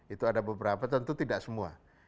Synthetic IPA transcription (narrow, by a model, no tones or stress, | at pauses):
it̪uadabəbəɾapat̪ənt̪ut̪idaʔsəmua̰